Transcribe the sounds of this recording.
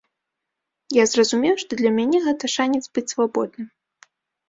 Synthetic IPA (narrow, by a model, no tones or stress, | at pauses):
jazrɐzumʲɛwʂt̪ɔd̪lʲɐmʲanʲɛɣɛt̪ɐʂanʲɛt̪zbɨt͡sʲsvabɔd̪nɨm